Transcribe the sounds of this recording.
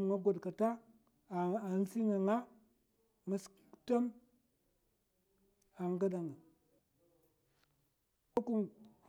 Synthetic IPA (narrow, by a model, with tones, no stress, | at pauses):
m˨ŋa˦ɡo˨dka˨ta˦˨ | a˨n˦si˦ŋa˨ŋa˦ | ma˨skta˦m | a˨ŋ˦ɡa˦ɗa˨ŋa˨ | a˦ku˦n